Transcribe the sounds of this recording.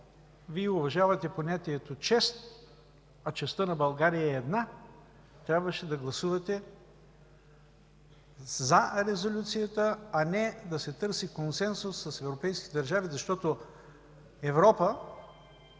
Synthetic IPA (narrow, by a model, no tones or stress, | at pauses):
viɛʊvɐʒavɐt̪ɛponʲat̪iɛt̪ot͡ʃɛst̪ | ɐt͡ʃɛst̪ənɐbɐlˠɡaɾijəɛːd̪na | t̪ɾʲabvɐʃɛd̪ɐɡlˠɐsuvɐt̪ɛ | zɐɾɛzolʲut̪sijət̪əɐnɛd̪ɐsɛt̪ɤɾsikonsɛnsʊsːɐsɛvɾopɛjskʲit̪ɛd̪ɐɾʒavizɐʃt̪ɔt̪o | ɛvɾɔpə